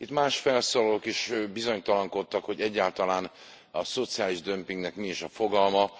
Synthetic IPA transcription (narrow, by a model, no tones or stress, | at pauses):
it̪maːʃfɛlsoːlɒlokiʃbizo̞ɲt̪ɒlɒŋko̞t̪ːɒkho̞ɟɛɟːaːlt̪ɒlaːn | ɒso̞t̪sijaːliʒd̪ø̞mpiŋɡnɛkmiiʃɒfo̞ɡɒlmɒ